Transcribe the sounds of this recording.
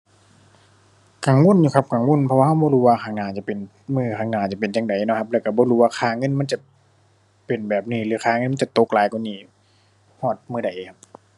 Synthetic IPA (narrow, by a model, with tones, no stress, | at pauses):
ka˨˩ŋwu˧˥˨njuː˨kʰa˧˥p̚ka˨˩ŋwu˧˥˨npʰɔ˧waː˧ha˧˩wbɔː˧˨huː˧waː˧kʰaː˧˩ŋnaː˧˩t͡ɕa˨˧˨pe˨n | mɯː˧˩kʰaː˧˩ŋnaː˧˩t͡ɕa˨˩pe˨nt͡ɕa˧˩ŋda˨˩jnɔ˧˥kʰa˧p̚lɛː˧˩ka˧˩bɔː˧˦˨huː˧waː˧kʰaː˧˩ŋɤ˧˥˨nma˧˥˨nt͡ɕa˧˩ | pe˨˩nbɛː˨˩p̚niː˧˩lɯː˨˦kʰaː˧˦ŋɤ˧˥˨m˧˨t͡ɕa˧˨t̪o˧˦k̚laː˨˦jkɔ˧˨niː˧˩ | hɔː˧˩t̪̚mɯː˧˩˨da˨˩jʔkʰa˦˥p̚